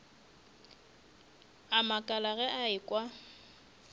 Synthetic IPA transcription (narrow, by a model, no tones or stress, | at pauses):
amakʼalaɣɛʔaɪkʼwa